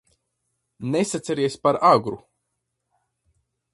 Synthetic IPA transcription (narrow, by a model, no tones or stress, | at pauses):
nesat̪sɛɾiɛsʲpaɾaɡɾṵ